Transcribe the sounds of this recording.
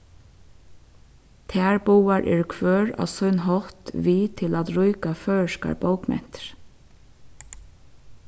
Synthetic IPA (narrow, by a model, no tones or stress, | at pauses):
t̪ʰæːɹbuːɑɹʔɪ̰ɹkʰʋøːɹɑ̰ːsœʏnɦɔht̪ʋiːt̪ʰɪlɑt̪ɹʊʏkɑfœːʃkɑ̰ɹboʊkmɛ̰n̥t̪ɹ